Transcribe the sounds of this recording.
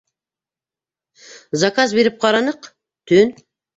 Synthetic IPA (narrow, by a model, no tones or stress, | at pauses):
zakazbeɾɪp̚qʰɑɾɑnəq | t̪ʰøn